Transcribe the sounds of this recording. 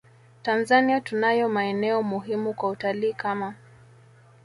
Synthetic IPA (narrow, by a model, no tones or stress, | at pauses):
tanzaniatunajɔmaɛnɛɔmuɦimukwautaliːkama